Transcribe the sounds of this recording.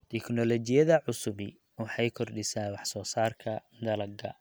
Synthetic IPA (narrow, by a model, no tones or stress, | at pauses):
t̪ʰɛknɔlɔt͡ʃɪjɐðɐʕʊsʊβɪ | wɑħɑjkʰɔrɖɪsaːwɑħsɔːsaːrkʰɐ | d̪ɐlɐɡɐ̰